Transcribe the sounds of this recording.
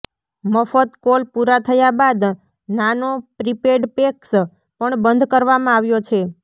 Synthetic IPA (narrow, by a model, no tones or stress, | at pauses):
məfət̪kolpuɾat̪ʰəjabad̪ | nanopɾipeɖpeks | pəɳbənd̪ʱkəɾʋamãaʋjot͡ʃʰe